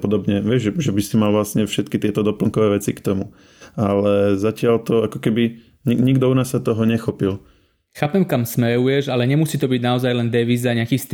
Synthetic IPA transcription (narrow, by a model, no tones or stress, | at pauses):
pɔd̪ɔbɲɛʋɪɛʒʒɛʒɛbisimalʋlasɲɛfʃɛt̪kit̪ɪɛt̪ɔd̪ɔpl̩ŋkɔʋɛːʋɛt͡sikt̪ɔmu | alɛzacɪalt̪ɔakɔ̥kɛbi | ɲiɲiɡd̪ɔunaːsːat̪ɔɦɔɲɛxɔpil | xaːpɛmkamsmɛɾujɛʒalɛɲɛmusiːt̪ɔbiɟnaɔzajlɛnd̪ɛʋiːzaɲɪakiːst̪